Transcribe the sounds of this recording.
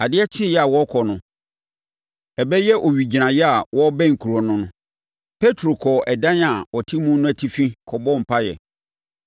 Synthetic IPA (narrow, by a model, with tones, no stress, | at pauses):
a˨dɪ˦ɛ˦t͡ɕʰɪ˦jɛ˦a˨wɔ˦kʰɔ˨nʊ̃˨ | ɛ˨bɛ˦jɛ˦ʔo˨ɥi˨d͡ʑi˨nã˨jɛ˦a˨wɔ˦bɛ̃˦ŋ̩˨kʰu˨ɾɔ˨nʊ̃˦nʊ̃˦ | pʰe˦tʰɾo˨kʰɔ˨ɛ˨dã˦n˦a˨ɔ˨tʰi˦mũ˦nʊ̃˦æ˨tʰi˦fĩ˦kʰɔ˨bɔ̃˦˨m̩˨pʰa˦jɛ̰˨